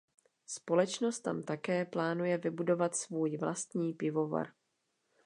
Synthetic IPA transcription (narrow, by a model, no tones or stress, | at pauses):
spo̞lɛt͡ʃno̞st̪ːamt̪akɛːplaːnujɛvɪbudo̞vat̪svuːjvla̰st̪ɲiːpɪvo̞va̰ɾ